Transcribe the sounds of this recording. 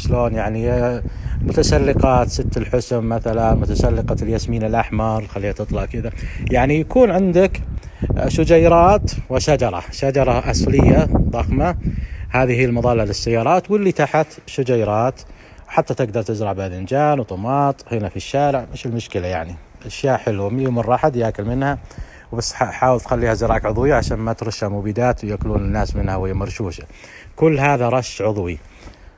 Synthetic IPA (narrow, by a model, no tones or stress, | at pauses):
ʃloːnjaʕni | mʊt̪asalːɪqɑːt̪sɪt̪ːɪlħʊsmːaθalanmʊt̪asalːɪqɑljasmiːnɪlʔɑħmɑɾˤxalːiːhat̪ɨt̪ˤlɑʕkɪðajaʕnijakuːnʕɪnd̪ɪk | ʃʊd͡ʒajɾˤɑːt̪wɪʃad͡ʒɑɾˤɑ̰ʃad͡ʒɑɾˤɑʔɑslɪjːaðˤɑxmahaːðihiːɪlmʊðˤɑːlːalɪsːajːɑːɾˤɑːt̪wɪlːit̪aħat̪ʃʊd͡ʒajɾˤɑːt̪ | wħat̪ːat̪ɪɡ̚d̪ɑɾˤt̪ɪzɾɑʕbad̪ɪnd͡ʒaːnwt̪ˤʊmɑːt̪ˤhɪnafiʃːaːɾɪʕmɪʃɪlmʊʃkɪlajaʕni | ʔaʃjaːʔħɪlumlːmʊrˤːɑħad̪jaːkɪlmɪnha | wbasːħaːwɪlt̪xalːiːhazɪɾˤɑːʔkʕʊðˤwɪjːaʕaʃaːnmat̪ɾˤʊʃːhamuːbid̪aːt̪wjakʊluːnɪnːaːsmɪnhawhɪjːamɑɾˤʃuːʃakʊlːɦaːðaɾˤɑʃːʕʊðˤwi